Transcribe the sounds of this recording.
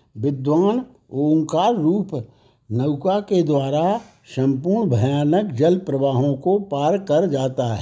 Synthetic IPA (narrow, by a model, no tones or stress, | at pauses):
ʋɪd̪waːn | oːŋkaːɾːuːp | nəʊkaked̪waːɾa | ʃə̃mpuːɾɳbʱɐjaːnəkd͡ʒəlpɾəʋaːɦõkopaːɾkɐɾd͡ʒaːt̪aɦɛː